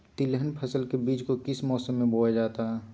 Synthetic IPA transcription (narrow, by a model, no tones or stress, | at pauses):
t̪ɪleɦənpʰɐsəlkebiːt͡ʃkokɪsmɔːsəmːẽboːad͡ʒaːt̪aɦɛː